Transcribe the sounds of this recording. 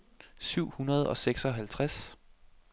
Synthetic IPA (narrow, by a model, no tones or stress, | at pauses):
syʊ̰hunɐð̞ˠɒ̽seɡ̥sɒ̽ɦælt͡sʰʁas